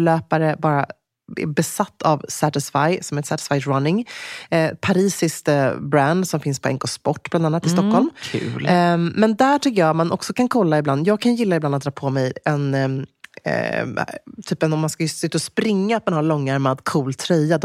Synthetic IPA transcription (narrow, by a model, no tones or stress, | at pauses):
lœːpaɾəbɑːɾa | ɛ̰bɛsat̪ːavsæt̪ɛsfajsɔmɛt̪sæt̪ɪ̥sfajɾanːɪŋ | pʰaɾiːsɪskbɾand̪sɔmfɪnspʰɔɛŋkɔspɔʈːbland̪anːat̪ːɪst̪ɔkːhɔlmkʰʉ̰ːlmɛnd̪æʈʰʏkːəjɑːt̪manʔɔ̰ksɔkʰankʰɔlːaɪbland̪jɑːɡ̚kʰanjɪlːaɪbland̪t̪̚d̪ɾɑːpʰɔmɛjɛn | t̪ʰyːpɛnɔmːanskasʉt̪ːaɔspɾɪŋːaːt̪̚manhaɾɭɔŋːaɾmad̪kʰuːlt̪ʰːɾɛjːad̪